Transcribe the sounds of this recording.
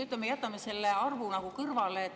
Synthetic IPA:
yt̪ːˑlɑmejæt̪ːˑɑmese̞lːeɑrvunɑɡ̥ukɤrvɑleːt̪ː

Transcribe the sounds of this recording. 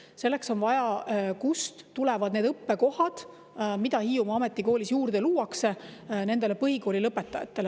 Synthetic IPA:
se̞lːe̞kso̞nvɑjɑkust̪t̪ːulɛ̞vɑd̪̥ned̪ɤpːe̞ko̞hɑd̪̥ | mid̪ɑhiːjumɑɑme̞t̪ːˑiko̞ːlisjuːrd̪̥e̞luːɑksene̞nd̪e̞le̞pɤɦiko̞ːlilɤpːˑe̞t̪ːˑɑjɑ̰t̪ːˑe̞le

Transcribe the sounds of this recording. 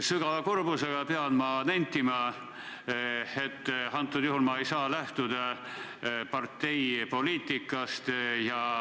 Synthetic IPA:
syɡ̥ɑvɑkurbuseɡ̥ɑpeɑnmɑnænʲt̪ːimɑ | e̞t̪ːɑnt̪ːˑud̪juhulmɑejsɑːlæht̪ud̪̥ɑ | pɑrt̪ːe̞jpo̞liːt̪ːˑikːˑɑst̪jɑ

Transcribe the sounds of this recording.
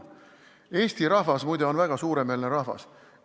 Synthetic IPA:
e̞ːst̪iɾɑɦvɑsmujd̪eo̞nvæɡ̥ɑsuːɾe̞melneɾɑhvɑ̰s

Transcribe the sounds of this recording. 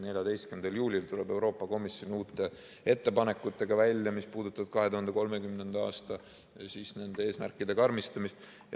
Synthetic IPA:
ne̞lʲjɑd̪e̞jst̪kymnd̪̥ɑljuːlʲilt̪ulɛbe̞wɾo̞ːpːˑɑko̞misjo̞niuːt̪ːˑe̞ | e̞t̪ːe̞pɑne̞kːˑut̪ːˑe̞ɡ̥ɑvælʲjɑmispuːd̪̥ut̪ːˑɑb̥̚kɑɦe̞t̪uhɑnd̪eko̞lme̞kymne̞nd̪̥ɑɑ̰ːst̪ɑ | sisne̞nd̪̥e̞e̞ːsmæ̰rkːˑid̪̥e̞kɑrmist̪ɑmist̪

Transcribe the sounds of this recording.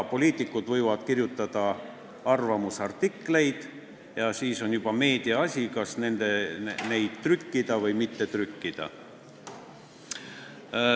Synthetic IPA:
po̞lʲiːt̪ˑikːˑud̪vɤjvɑd̪̥kirjut̪ˑːɑd̪̥ɑ | ɑrvɑmusɑrt̪ikːle̞jd̪̥ | jɑsiːso̞njub̥ɑme̞ːd̪iɑɑsʲikɑsne̞nd̪̥ene̞jd̪̥t̪rykːid̪̥ɑvɤjmit̪ːe̞t̪rykːid̪̥ɑ̰

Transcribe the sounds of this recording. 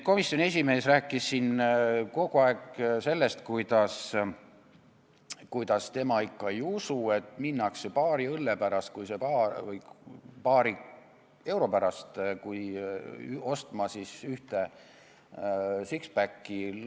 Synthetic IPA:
ko̞misːjone̞s̬ʲime̞ːsræːkːˑisːinko̞ɡuɑekse̞lːe̞st̪kujd̪̥ɑs | kujd̪̥ɑst̪e̞mɑikːɑejusue̞t̪minːɑksepɑːɾiɤlːepæɾɑst̪̚kujse̞pɑvɤjpɑːɾi | e̞wɾo̞pæɾɑst̪kuj | o̞st̪mɑsisyht̪e̞ | sikspækˑːi

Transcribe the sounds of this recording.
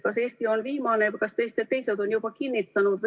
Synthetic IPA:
kɑseːst̪io̞nviːmɑːnekɑst̪est̪et̪ːe̞jsed̪o̞njub̥ɑkinːit̪ːɑnud̪

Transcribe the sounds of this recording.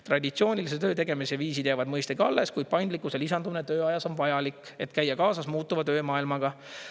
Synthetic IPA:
t̪rɑd̪ʲit̪sio̞ːnʲilis̬et̪ø̞ːt̪e̞ɡ̥e̞miseviːsid̪̥jævɑd̪mɤjst̪ekɑ̰lːe̞skujd̪̥̚pɑjnd̪likːˑuselisɑnd̪uminet̪øːɑjɑso̞nvɑjɑlikːˑe̞t̪kæjːɑkɑːsɑsmuːt̪ːˑuvɑt̪ø̞ːmɑːilmɑɡ̥ɑ

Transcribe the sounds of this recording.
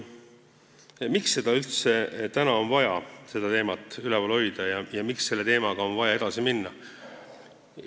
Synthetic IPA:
miksːe̞d̪̥ɑylt̪se̞t̪ænɑo̞nvɑjɑse̞d̪̥ɑt̪e̞ːmɑt̪ːˑylɛpolho̞jd̪̥ɑjɑjɑmiksːe̞lːe̞t̪e̞ːmɑɡ̥ɑo̞nvɑjɑe̞d̪̥ɑsiminːɑ

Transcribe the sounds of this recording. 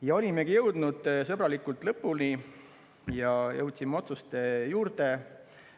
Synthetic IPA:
jɑo̞lʲimeɡijɤwd̪nud̪̥sɤbɾɑlikːult̪lɤpːˑulni | jɑjɤwt̪ʲsimeo̞t̪sust̪e̞juːɾd̪e̞

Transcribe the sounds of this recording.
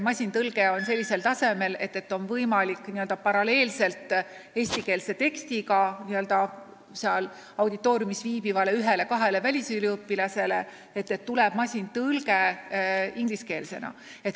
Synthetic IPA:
mɑsʲint̪ɤlɡ̥e̞o̞nse̞lʲːise̞lt̪ɑse̞me̞le̞̰t̪ːˑe̞t̪ːo̞nvɤjmɑlikːˑniø̞ld̪̥ɑpɑɾɑle̞ːlse̞lt̪ːˑ | e̞ːsʲt̪ike̞ːlse̞t̪e̞kst̪ikɑniø̞ld̪ɑ | seɑl | ɑwd̪it̪ːˑo̞ːɾʲjumisviːbivɑle̞yɦe̞le̞kɑɦe̞le̞vælʲisylʲiɯpːilɑse̞le̞ | et̪ːe̞t̪ːuleb̥̚mɑsʲint̪ɯlɡe | iŋɡliske̞ːlse̞nɑ̰ | e̞t̪

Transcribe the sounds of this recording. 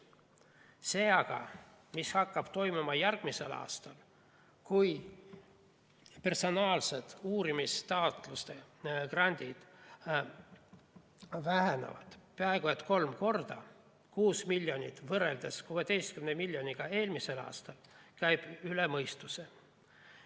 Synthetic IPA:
se̞ːɑɡ̥ɑ̰ | mishɑkːɑb̥t̪o̞jmumɑjærɡ̥mise̞lɑ̰ːst̪ɑl | kuj | pe̞rso̞nɑːlse̞d̪̥uːɾimist̪ɑot̪ˑlust̪e̞krɑnʲd̪̥ʲid̪̥ | væɦenḛvɑ̰d̪̥peæeɡ̥uet̪ko̞lmko̞rd̪̥ɑ | kuːsmilʲːjo̞nʲit̪ːˑvɤɾe̞ld̪̥eskuːe̞d̪e̞jst̪kymnemilʲːjo̞niɡ̥ɑe̞ːlmise̞lɑ̰ːst̪ɑlkæjb̥ylemɤjst̪use

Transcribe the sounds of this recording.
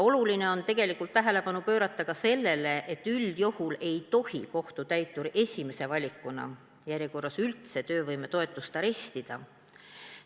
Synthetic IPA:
o̞luline̞o̞nt̪e̞ɡ̥e̞likˑult̪ːæɦe̞le̞pɑnupø̞ːɾɑt̪ːˑɑkɑse̞lːe̞le̞ʔet̪ːˑyld̪̥johule̞jt̪o̞hiko̞ht̪ut̪æjt̪ːˑuɾe̞sʲime̞se̞vɑlʲikːˑunɑ̰ | jæɾʲjeko̞rːɑsylt̪se̞t̪ø̞ːvɤjme̞t̪o̞e̞t̪ːˑust̪ɑɾe̞st̪id̪̥ɑ

